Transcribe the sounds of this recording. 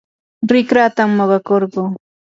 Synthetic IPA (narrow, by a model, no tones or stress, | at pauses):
ɾɪkɾat̪amːoɢɑkoɾɢoː